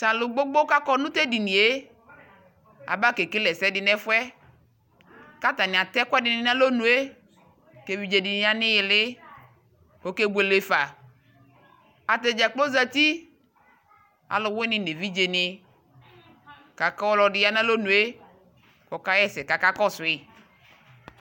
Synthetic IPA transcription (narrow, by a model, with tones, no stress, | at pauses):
sã˨lʊ˨ɡ͡bo˦ɡ͡bo˦ka˦kɔ˦nũ˦t̪ɛ˦di˨nĩ˨e˦ | a̰˨ba˦ke˨ke˦lɛ˨sɛ˦dɪ˨nɛ˦fwɛ˦ | ka˦t̪a˨nɪ̃˨a˨t̪ɛ˦kʊ˦ɛ˦dɪ˨nɪ̃˨nã˦lo˦nũ˨e˦ | ke˨vi˨d͡ʒe˨di˨ni˦a˨nɪ̃˦jɪ˨lɪ˦ | ko˦ke˦bu˨e˨le˨fa˨ | a˨t̪e˨d͡ʒa˨k͡plo˦za˦t̪i˦ | a̰˨lʊ˨wɪ˦nɪ̃˨ne˨vi˦d͡ʒe˨nɪ˦ | ka˨ka˦wɔ˦lɔ˨dɪ˨˦ja˦nã˦lo˦nũ˨e˦ | kɔ˨ka˦jɛ˦sɛ˨ka˨ka˦kɔ˦sʊ˨ɪ˦